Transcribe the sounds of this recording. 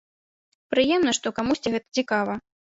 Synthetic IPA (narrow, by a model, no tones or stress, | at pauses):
pɾɨjɛmnɐʂt̪ɔkamusʲt͡sʲiɣɛt̪ɐ̥t͡sʲikavɐ